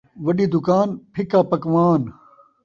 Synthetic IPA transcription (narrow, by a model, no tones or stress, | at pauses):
ʋɐɗiːd̪ʊkaːnpʰɪkaːpɐkʋaːn